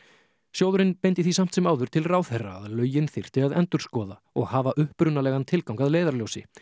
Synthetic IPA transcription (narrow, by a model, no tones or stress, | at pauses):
sjowðʏɾɪnpejnt̪ɪθisam̥t̪sɛmaːwðʏɾ̥t̪ʰɪlraːwθɛrːaːðlœːɥjɪnθɪr̥t̪ɪaðɛnt̪ʏɾ̥skɔːða | ɔɣhaːvaʔʏhpɾʏnalɛːɣant̪ʰɪlkawŋkaðleːjðaɾljoːwsɪ̰